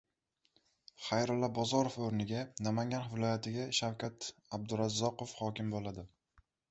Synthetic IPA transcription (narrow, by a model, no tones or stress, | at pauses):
χajɾʊlːabɒzɒɾofɵɾnɪɡʲanamaŋɡʲanvɪlˠɒjat̪ʰɪɡʲaʃawkʲat̪ab̚d̪ʊɾazːɒqofhɒkʲɪmbolad̪ɪ